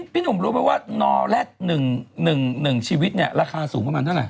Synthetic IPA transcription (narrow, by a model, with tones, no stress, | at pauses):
pʰiː˦˥˩nu˨˩˦mɾuː˨˦˥pɛ˧˦waː˥˩nɔː˧lɛː˥˩k̚nɯ˨˩ŋnɯ˨˩ŋnɯ˨˩ŋt͡ɕʰiː˧wi˦˥t̪̚ni˥˩ɐɾaː˧˩kʰaː˧suː˨˩˦ŋmɯ˥˩maː˧t̪ʰa˥˩lɛ̰˨˩